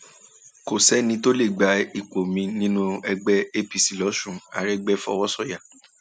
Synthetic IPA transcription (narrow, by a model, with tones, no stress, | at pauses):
ko˨sɛ˨˦nĩ˧to˦le˦˨ɡ͡ba˧i˨k͡po˨mĩ˧nĩ˦nũ˦ɛ˧ɡ͡bɛ˦e˦pi˨si˨lɔ˨˦ʃũ˦˨a̰˨ɾɛ˦ɡ͡bɛ˦fɔ˦˧wɔ˦sɔ˦˨ja˨